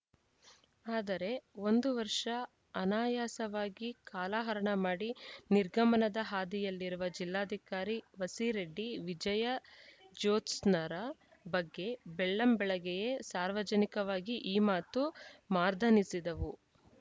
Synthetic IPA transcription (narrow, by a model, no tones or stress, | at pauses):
aːd̪ɐɾe̞o̞nd̪uʋɐɾʂɐ | ɐnaːjaːsɐʋaːɡikaːlaːɦɐɾɐɳɐmaːɽiniɾɡʱɐmɐnɐd̪ɐɦaːd̪ijɐlːiɾuʋɐd͡ʒilːaːd̪ʱikaːɾiʋɐsiɾeɖːiʋid͡ʒɐjɐd͡ʒoːtsnɐɾa | bɐɡːe̞beɭːɐmbɛɭɐɡɛjesaːɾʋɐd͡ʒɐnikɐʋaːɡiʔiːmaːt̪umaːɾd̪ʱɐnisid̪ɐʋu